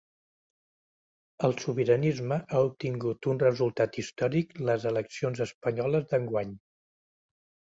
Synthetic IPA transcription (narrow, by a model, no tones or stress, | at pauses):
əlˠsuβiɾənizməʔaup̚t̪iŋɡut̪unrəzulˠt̪at̪ist̪ɔɾikləzələksionzəspəɲɔləzðəŋɡwaɲ